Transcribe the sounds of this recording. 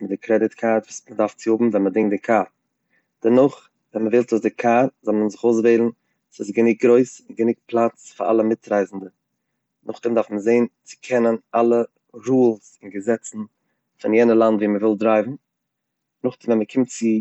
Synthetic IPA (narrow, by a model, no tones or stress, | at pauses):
mɪt̚dɪkʰɾɛdɪtkʰaɾtvuːsmədaɾft͡sɪhʊbm̩vɛnmədɪŋdɪkʰaːɾ | d̥ɛnʊχ | vɛnməvɪlˠtuːsdɪkʰaːɾzɔlˠmənzɪχoʊs̬veɪlˠn̩ | sɪsɡənɪk̚ɡɾoɪsɪnɡənɪk̚plˠat͡sfɪɾa̰lˠəmɪtɾaɪzn̩də | nʔʊχdɪmdaɾfməzeɪnt͡sɪ̥kʰɛnənalˠə | ɾuːlˠsɪnɡəzɛt͡sn̩ | fɪnjɛnəlˠandviːməvɪlˠdɾaɪbm̩ | nʊχdɪmvɛnməkʰɪmtt͡sɪ